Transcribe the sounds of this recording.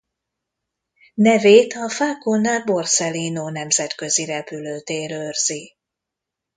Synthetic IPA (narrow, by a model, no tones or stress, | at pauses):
nɛveːt̪ɒfaːkonaːbo̞rsɛlinoːnɛmzɛt̪kø̞ziɾɛpyløːt̪eːɾørz̥i